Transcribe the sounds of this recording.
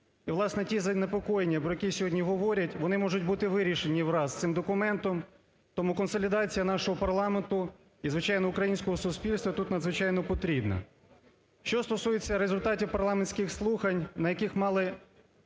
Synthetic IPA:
iʋlˠɑsnɛtʲizɐnepɔkɔjenʲːɐpɾɔjɐkʲijsʲɔɦɔdʲnʲiɦɔʋɔɾʲɐtʲʋɔnɪmɔʒʊtʲbut̪ɪʋɪɾʲiʃenʲiwɾɑzt̪sɪmd̪ɔkʊmɛnt̪ɔm | t̪ɔmukɔnsɔlʲid̪ɑt͡sʲijɐnɑʃɔɦɔpɐrlˠɑment̪ʊ | izʋɪt͡ʃɑjnɔʊkɾɐjinʲsʲkɔɦɔsʊspʲilʲst̪ʋɐt̪ut̪nɐd̪zʋɪt͡ʃɑjnɔpɔt̪ɾʲibnɐ̰ | ʃt͡ʃɔst̪ɔsujet͡sʲːɐɾezʊlʲt̪ɑtʲiwpɐrlˠɑmenʲsʲkɪxslˠuxɐnʲnɐjɐkɪxmɑlˠɪ

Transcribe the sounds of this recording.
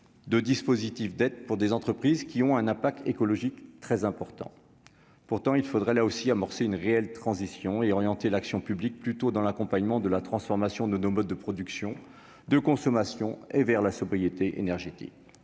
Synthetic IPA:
d̪ød̪ispozit̪ifd̪ɛd̪̚puʁd̪ezɑ̃t̪χəpχizkʲiɔ̃ɛ̃nɛ̃pak̚t̪ekɔlɔʒikt̪χɛzɛ̃pɔʁt̪ɑ̰̃ | puʁt̪ɑ̃ilfod̪ʁɛlaosiamɔʁseynʁeɛlt̪χɑ̃zisjɔ̃eɔʁjɑ̃t̪elaksjɔ̃pyblik̚plyt̪od̪ɑ̃lakɔ̃paɲmɑ̃d̪əlat̪χɑ̃sfɔʁmasjɔ̃d̪ənomɔd̪ːəpχɔd̪yksjɔ̃ | d̪əkɔ̃sɔmasjɔ̃evɛʁlasɔbʁijet̪eʔḛnɛʁʒet̪ḭk̚

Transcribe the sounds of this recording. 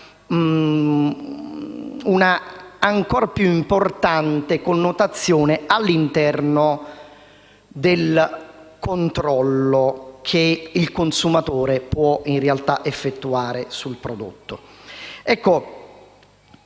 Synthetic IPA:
unaːŋkoːɾpjuimport̪ant̪ekonːot̪at̪sːjoːnealːint̪ɛrno | d̪el | kont̪ɾɔlːokʰeilkonsumat̪oːɾepwɔinrealt̪aʔefːet̪ːuaːɾesulpɾod̪o̰t̪ːo | ɛkːo

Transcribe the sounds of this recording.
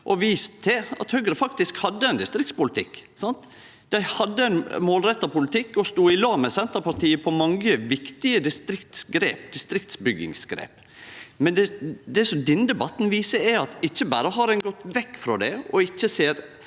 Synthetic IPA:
ʔɔʋiːst̪ʰɛɑ̰t̪hœɡɾəfɑkt̪ɪskhɑd̪ːəɛɪnd̪ɪst̪ɾɪk̚t̪spʊlɪt̪ʰɪkːsɑnt̪ | d̪̥æɪhɑd̪ːəɛnmoːlɾɛt̪ːɑpʰʊlɪt̪ʰɪkːɔst̪uːɪlɑːmɛsɛnt̪əɾpɑɾt̪iːəpʰɔmɑŋːəʋɪkt̪ɪəd̪ɪst̪ɾɪkt̪sɡɾḛːp̚d̪̥ɪst̪ɾɪk̚t̪sbʏɡɪ̰ŋsɡɾḛːp | mɛnd̪ɛd̪ɛsɔmd̪ɪnd̪ɛbɑt̪ːn̩ʋiːsəæɑt̪ɪçːəbæːɾəɦɑɾɛnɡɔt̪ːʋɛkːfɾo̰ːd̪ɛɔɪçːəseːɾ

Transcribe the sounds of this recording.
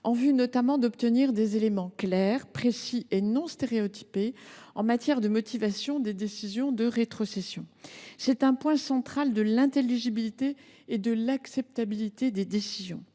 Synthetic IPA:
ɑ̃vynɔt̪amɑ̃d̪ɔpt̪əniʁd̪ezelemɑ̃klɛʁpχesienɔ̃st̪eʁeɔt̪ʰi̥peɑ̰̃mat̪jɛʁd̪əmɔt̪ivasjɔ̃d̪ed̪esizjɔ̃d̪əʁet̪χɔsesjɔ̰̃sɛt̪ɛ̃pwɛ̃sɑ̃t̪χald̪əlɛ̃t̪elːiʒibilit̪eː | d̪əlaksɛp̚t̪abilit̪ed̪ed̪esizjɔ̰̃

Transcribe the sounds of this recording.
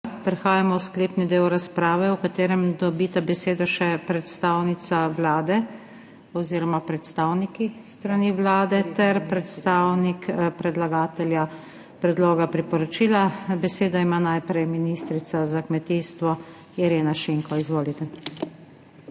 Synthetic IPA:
pɾɛxaːjamɔwskleːpnid̪eːwɾaspɾaːʋɛwkat̪eːɾɛmd̪ɔbit̪abɛseːd̪ɔʃɛpɾɛt̪st̪awnit̪saʋlaːd̪ɛ | ɔziːɾɔmapɾɛt̪st̪aːwnikist̪ɾaniʋlaːd̪ɛt̪ɛɾpɾɛt̪st̪awnikpɾɛd̪laɡaːt̪ɛlja | pɾɛd̪loːɡapɾipɔɾɔt͡ʃiːlabɛseːd̪ɔimaːnajpɾɛjminist̪ɾit̪sazakmɛt̪iːst̪ʋɔ | iɾeːnaʃeːŋkɔizʋoːlit̪ɛ

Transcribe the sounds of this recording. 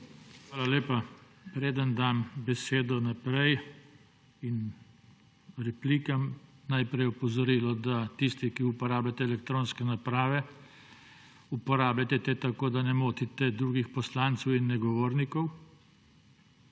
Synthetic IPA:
xʋaːlaleːpa | pɾeːd̪ənd̪ambɛseːd̪ɔnapɾɛj | in | ɾɛpliːkamnajpɾɛjɛupɔzɔɾiːlɔd̪at̪ist̪ikiupɔɾaːblat̪ɛɛlɛk̚t̪ɾõːnskɛnapɾaːʋɛ | upɔɾaːblat̪ɛt̪ɛt̪akoːd̪anɛmoːt̪it̪ɛd̪ɾuːɡixpɔslaːnt̪sɛwinːɛɡɔʋoːɾnikɔw

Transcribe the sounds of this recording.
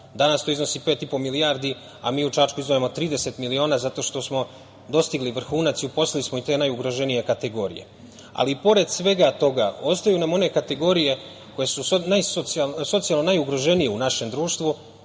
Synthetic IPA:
d̪anast̪o̞izno̞sipet̪ipo̞milijaɾd̪i | a̰miːut͡ʃat͡ʃkuizʋo̞jemo̞t̪ɾiːd̪e̞se̞t̪milio̞ːnaːzat̪o̞ʃt̪o̞smo̞ | d̪o̞st̪iɡliʋr̩xuːnat̪siupo̞slalismoit̪e̞ːnajuɡɾo̞ʒe̞nije̞kat̪e̞ɡo̞ɾḭje̞̰ | a̰lipo̞ɾe̞d̪sʋe̞ɡat̪o̞ɡao̞st̪ajunamo̞ne̞kat̪e̞ɡo̞ɾije̞ | ko̞je̞suonajsosiaso̞t̪sijalnonajuɡɾo̞ʒe̞nije̞unaʃe̞md̪ɾuːʃt̪ʋu

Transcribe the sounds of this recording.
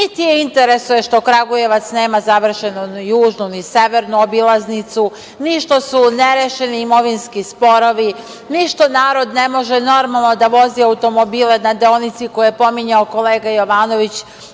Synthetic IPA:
nit̪ijeint̪e̞ɾe̞sujeʃt̪o̞kɾaɡuje̞ʋat̪sne̞ːmazaʋr̩ʃe̞nunjuːʒnunise̞ʋe̞ɾnuobilˠaznit̪su | niʃt̪osuneɾeʃe̞niːmo̞ʋinskispo̞ɾo̞ʋi | niʃt̪anaːɾo̞d̪ne̞mo̞ʒeno̞ɾmalˠno̞d̪aʋo̞ziaut̪o̞mo̞biːle̞nad̪eonit̪siko̞jeepo̞miɲaoko̞le̞ːɡajo̞ʋaːno̞ʋit͡ɕ

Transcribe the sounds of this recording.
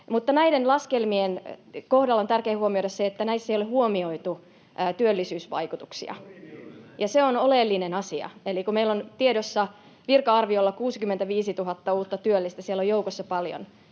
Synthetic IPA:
mut̪ːɑnæidenlɑskelmienkohdɑlːont̪ærkeːhuomioɾɑsseet̪ːænæisːæejolehuomioit̪u | ʔt̪yølːisyːsʋɑ̰ikut̪uksḭɑ̰ | jɑseonolelːinenɑsiɑ̰elikumeilːont̪ieɾosːɑ | ʋirkɑɑrʋiolːɑkuːsi̥kymːent̪æʋiːsit̪uɦɑt̪ːɑuːlt̪ːɑt̪yølːist̪æsielːojoukosːɑpɑljo̰n

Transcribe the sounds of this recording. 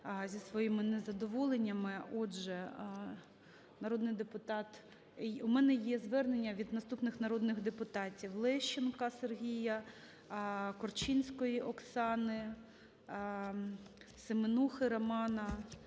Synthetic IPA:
zʲisʋɔjimɪnɛzɐd̪ɔʋɔlˠenʲːɐmɪɔd͡ʒʒɛ | nɐɾod̪nɪjd̪epʊt̪ɑt̪ | ʊmɛnɛjɛzʋɛrnenʲːɐʋʲid̪nɐst̪upnɪxnɐɾɔd̪nɪxd̪epʊt̪ɑtʲiwlˠɛʃːɪnkɐserɦʲijɐ | kɔrt͡ʃinʲsʲkɔjiʔɔksɑnɪ | semenuxɪɾɐmɑnɐ

